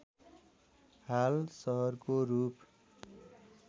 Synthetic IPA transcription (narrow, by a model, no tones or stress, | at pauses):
halsʌɦʌrkorup